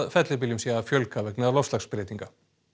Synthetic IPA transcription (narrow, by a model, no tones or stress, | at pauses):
fɛt̪lɪp̬ilimsiafjœlkʰːavɛknɛðlɔfst̪lakspɪɾjɛt̪iŋka